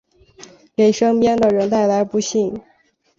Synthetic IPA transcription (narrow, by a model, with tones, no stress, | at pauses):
ke˨˩ɪʂɤ˥ŋpjɛ˥nd̪ə˨ɻə˧˥nt̪a˥˩ɪla˧˥ɪpu˧˥ɕi˥˩ŋ